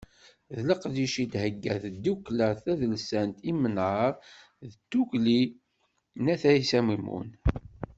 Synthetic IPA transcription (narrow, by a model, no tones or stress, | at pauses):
ðləqðiʃid̪həɡːæðd̪ːukləθæðəlsænt̪imənʕəɾˤ | ðət̪ːukli | næθæisæmimṵn